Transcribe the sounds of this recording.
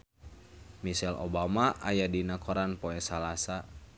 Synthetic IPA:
misɛlo̰bamaʔajadinakɔɾanpoɛsalasa

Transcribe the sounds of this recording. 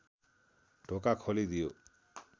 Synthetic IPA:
ɖʱokakʰɔlid̪io

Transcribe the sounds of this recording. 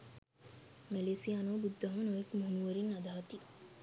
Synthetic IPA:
meleːsijaːnobud̪ːɐɦɐnoekmuɦunuɐɾinɐd̪aːɐt̪i

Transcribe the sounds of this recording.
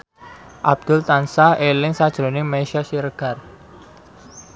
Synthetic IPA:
ʔab̚d̪̥ʊlt̪ansaelɪŋsad̥ʒ̥ɾonɪŋmeʃasiɾəɡ̥ar

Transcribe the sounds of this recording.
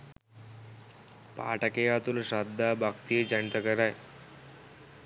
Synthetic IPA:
pa̰ːʈakejat̪ulʃad̪ːabʱakt̪ijed͡ʒant̪əkəɾaj

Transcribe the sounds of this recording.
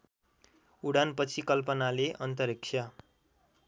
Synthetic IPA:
uɽanpʌt͡sʰikʌlpʌnaleʔʌnt̪ʌɾiksʰja

